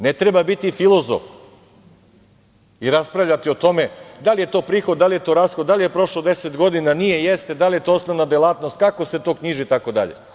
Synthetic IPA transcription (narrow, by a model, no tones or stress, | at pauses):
net̪ɾebabit̪ifilˠo̞zo̰f | iɾaspɾavʋʎʲat̪io̞t̪o̞me̞d̪alije̞t̪o̞ːpɾiːxo̞d̪̚d̪alije̞t̪o̞ːɾasxod̪d̪alijepɾo̞ʃlod̪e̞set̪ɡo̞d̪inanijejest̪e̞d̪alije̞t̪oosnoʋnad̪elˠaːt̪no̞st̪̚kako̞se̞t̪o̞ːkɲiʒit̪ako̞d̪a̰ʎḛ